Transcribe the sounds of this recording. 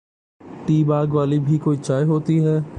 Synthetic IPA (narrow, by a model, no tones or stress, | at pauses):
ʈiːbaːɡʋaːlibʱikoːit͡ʃaːjɦoːt̪iɦɛː